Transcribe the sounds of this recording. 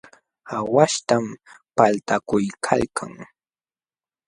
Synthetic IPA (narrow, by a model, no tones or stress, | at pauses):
awaʃt̪ampalt̪akʊjkʰa̰lkʰa̰ŋ